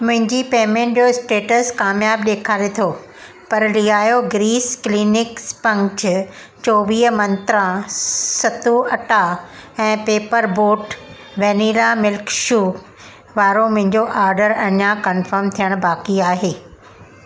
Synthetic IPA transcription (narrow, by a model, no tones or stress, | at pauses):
mʊ̃ɦɪ̃ɲd͡ʑipeːmẽːɳʈd͡ʑoɪsʈeːʈəskaːmjaːbɗeːkʰaːɾet̪ʰoː | pɐɾliɦaːjoɡɾiːskliːnɪkspɐ̃ŋt͡ɕ | t͡ɕoːʋiːɦəmɐ̃nt̪ɾãsɐt̪uɐʈaɛ̃ːpeːpəɾboːʈ | ʋɛniːlamɪlkʃuː | ʋaːɾomʊ̃ɦɪ̃ɲd͡ʑoʔaːɾɖəɾɐɲakɐnfəɾmt̪ʰijəɽ̃baːkiaːɦeː